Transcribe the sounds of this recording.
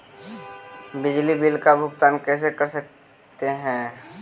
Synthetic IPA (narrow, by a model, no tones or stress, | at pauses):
bɪd͡ʒlibɪlkabʱʊɡt̪aːnkɛːs̬ekɐɾsək̚ | t̪eɦɛ̃ː